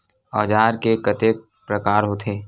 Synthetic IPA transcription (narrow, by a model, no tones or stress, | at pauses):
ɔːd͡ʒaːɾkekət̪eːk̚ | pɾəkaːɾɦot̪ʰeː